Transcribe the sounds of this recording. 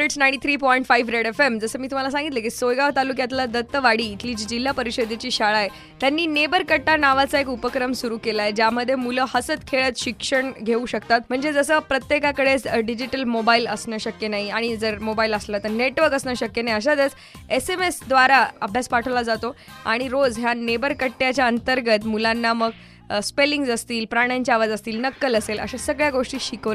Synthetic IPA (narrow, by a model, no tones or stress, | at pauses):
eʈsnajɳʈit̪ʰɾiːpɔiɳʈfaiʋɾeɽefemd͡zəsəːmiːt̪um̤alas̬ãŋɡit̪lək̬isojɡaʋt̪alukjat̪lad̪ət̪ːəʋaɽiːt̪ʰliːd͡ʑiːd͡ʑil̤ːapəɾiɕed̪ʱet͡ɕiːɕaɭae | t̪janːiːnebəɾkəʈːanaʋat͡saekupəkɾəmsuɾuːkelaed͡ʑjaməd̪ʱːjemuləhəsət̪kʰeɭət̪ɕikʂəɳɡʱeuɕəkt̪at̪m̤əɳd͡zed͡zəsəːpɾət̪jekakəɽet͡sɖid͡ʑiʈəlmobailəsnəːɕəkjenaɦiaɽ̃id͡zəɾmobailəslət̪əɾneʈʋəɾkəsnəːɕəkjenaɦiəɕ̬ad͡z̪ət͡s | esemesd̪ʋaɾaə̰bʱjaspaʈʰəʋlad͡zat̪oa̰ɽ̃iɾod͡zɦjanebəɾkəʈːjat͡ɕjaənt̪əɾɡət̪mulanːaməɡ | speliŋɡsəst̪iːlpɾaɽ̃ɲt͡ɕaʋad͡zəst̪iːlnəkːələselə̰ɕasəɡɭjaɡoʂʈiːɕikəʋla